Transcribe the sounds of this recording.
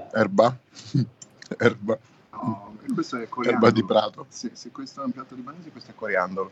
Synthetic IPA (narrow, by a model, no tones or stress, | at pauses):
ɛrba | ɛrba | kwest̪oɛkːoɛɾbad̪ipɾaːt̪osisekːwest̪oɛũmpjat̪ːod̪ibaneːzikwest̪oɛkːaɾjand̪olo